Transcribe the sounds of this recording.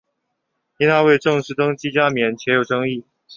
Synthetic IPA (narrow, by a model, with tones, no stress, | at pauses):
i˥nʰa˥we˥˧ɪʈ͡ʂɤ˥˧ŋʂɻ̩˥˩t̪ɤ˥ŋt͡ɕi˥t͡ɕja˥mjɛ˨˦nt͡ɕʰjɛ˧˥jo˨˩ʊʈ͡ʂɤ˥ŋi˥˩